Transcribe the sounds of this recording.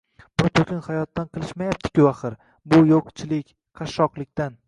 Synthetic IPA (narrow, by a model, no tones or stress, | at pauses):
b̥ʊt̪ʰɵkʲɪnhajɒt̪ːanqʰɨlˠɪʃmajap̚t̪ʰɪ̥kʲʊaχɨɾ | bʊjoqt͡ʃʰɪlɪkʲ | qʰɑʃːɒqlˠɪkʲt̪an